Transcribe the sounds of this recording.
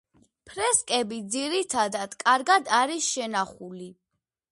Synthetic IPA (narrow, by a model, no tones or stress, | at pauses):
pʰɾɛskʼɛbid̪ziɾit̪ʰad̪ad̪̥kʼaɾɡad̪aɾisʃɛnaχuli